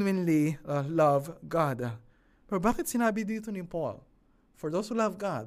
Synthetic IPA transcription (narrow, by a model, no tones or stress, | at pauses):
mɪ̃nlilɐvɡad̪ | pɛɾbaːkɪt̪sɪnaːbɪd̪iːt̪onɪpo̰l | fɔɹd̪owshulavɡad̪̚